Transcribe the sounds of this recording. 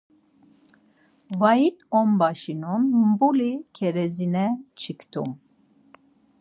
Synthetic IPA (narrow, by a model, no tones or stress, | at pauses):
vait̪ɔmbaʃinunmbulikʰɛɾɛzinɛt͡ʃʰikʰt̪ʰṵm